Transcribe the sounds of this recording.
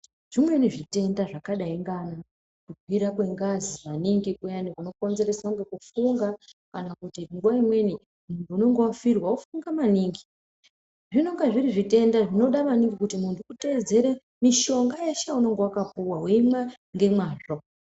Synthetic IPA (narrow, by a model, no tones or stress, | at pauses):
ʐ̥imwe̞niʐite̞ndaʐakaɗaiŋɡana | kuk̚wiɾakwe̞ŋɡaziʋaniŋɡikujanikuno̞ko̞nze̞ɾesauŋɡe̞kufuŋɡakanakutiŋɡuwaimwe̞ni | muntʰuuno̞ŋɡowafirwaufuŋɡamaniːŋɡi | ʐinoŋɡaʐiriʐite̞ndaʐino̞ɗamaniŋɡikutimuntʰukute̞d͡ze̞ɾe | miʃo̞ŋɡajeʃauno̞ŋɡewakapuwaɦweimwa | ŋɡe̞mwaːʐo